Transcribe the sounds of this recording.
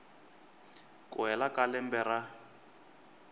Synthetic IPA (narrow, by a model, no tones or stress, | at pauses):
kʼʊɦɛlakalɛmbɛra